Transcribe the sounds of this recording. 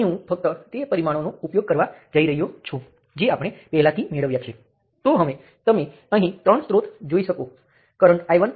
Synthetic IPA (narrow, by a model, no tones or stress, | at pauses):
ɦũfək̚t̪ət̪epəɾimaɽ̃onoupjoɡ̚kəɾʋad͡ʒəiɾəɦijot͡ʃʰũ | d͡ʒeapɽ̃epɛɦɛlat̪ʰimeɭəʋjat͡ʃʰie | t̪oɦəʋe | t̪əme | əɦĩt̪ɾəɳsɾot̪ʰd͡ʒoiʃəko | kəɾəɳʈajʋən